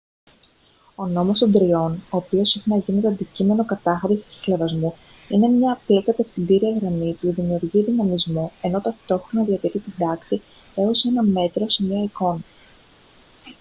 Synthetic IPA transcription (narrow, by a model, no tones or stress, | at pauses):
o̞no̞most̪o̞nd̪ɾio̞no̞ːpio̞sexenɐʝinet̪oɐnd̪icime̞no̞kɐt̪ɐxɐɾissi̥levɐzmu | ine̞mɲɐplek̪ɐt̪eft̪id̪iɾiɐɣɾɐmipuðimiuɾʝiðinɐmizmue̞no̞t̪ɐft̪o̞xɾo̞nɐðiɐt̪iɾit̪id̪ɐksi | e̞o̞se̞nɐme̞t̪ɾo̞se̞mɲɐɐiko̞nɐ